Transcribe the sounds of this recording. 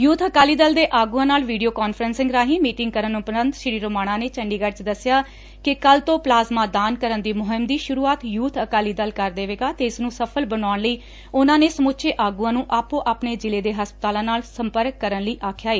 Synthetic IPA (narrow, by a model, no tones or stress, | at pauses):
juːt̪ʰəkaːliːd̪əld̪eːʔaːɡuːãːnaːlʋiːɖijoːkaːnpʰəɾənsɪ̃ŋɡɾaːɦĩːmiːʈɪŋɡ̚kəɾənʊpnənd̪ʃɪɾiːɾoːmaːɽ̃ãːneːt͡ʃəɳɖiːɡəɾt͡ʃd̪əsːɪjaː | kɪkəlt̪õːplaːzmãːd̪aːnkəɾənd̪iːmʊɦɪmd̪iːʃʊɾuːaːt̪juːt̪ʰəkaːliːd̪əlkəɾd̪eːʋeːɡaːt̪eːɪsnũːsəpʰəlbənaːɳləiː | ʊnãːneːsəmʊːtːt͡ʃʃʰeːʔaːɡuːãːnũːʔaːpõːʔaːpneːd͡ʒɪleːd̪eːɦəspət̪aːlãːnaːlsəmpəɾkːəɾənləiːʔaːkʰjaːeː